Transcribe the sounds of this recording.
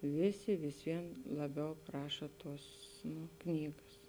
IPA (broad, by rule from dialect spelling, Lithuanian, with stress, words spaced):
ˈʋʲeːˌsʲɪ ʋʲɪs ˈʋʲiɛn lˠɐˈbʲɛʊ ˈprɑːʃɐ ˈtuɔs nʊ ˈknʲiːɡɐs